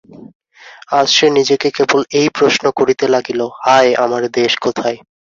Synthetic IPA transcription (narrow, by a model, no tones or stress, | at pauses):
ad͡ʑʃenid͡ʑekekebolejpɾoʃnokoɾit̪elaɡilohaeamaɾd̪eʃkot̪ʰae